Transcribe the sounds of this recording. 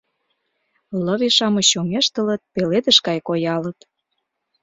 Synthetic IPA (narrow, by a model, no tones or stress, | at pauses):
ləβiʃɑmɤ̆ɕomeʃt̪ələ̆t̪̚peled̪ə̆ʃkɑjkojɑlə̆t̪